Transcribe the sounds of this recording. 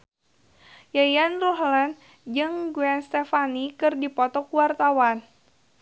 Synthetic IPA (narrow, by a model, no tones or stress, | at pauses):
jajanruhlan | d͡ʒɨŋɡuɛnst̪efanikɨrdipɔt̪ɔkuwart̪awan